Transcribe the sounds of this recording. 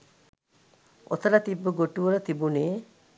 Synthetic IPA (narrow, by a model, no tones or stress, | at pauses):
o̰t̪ələt̪ibːəɡoʈuʋələt̪ibuneː